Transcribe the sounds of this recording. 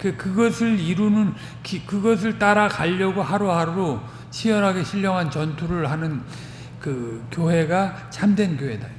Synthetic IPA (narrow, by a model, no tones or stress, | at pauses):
kekɯɡʌsʰɯɭiɾunɯn | kikɯɡʌs̬ʰɯɭt͈aɾakaʎːʌɡoɦaɾoɦaɾo | t͡ɕʰiʌɾɦaɡe̞ɕʰiʎːʌŋɦant͡ɕʌntʰuɾɯɭhanɯn | kɯkjoɦe̞ɡa | t͡ɕamdwe̞nkjoɦe̞da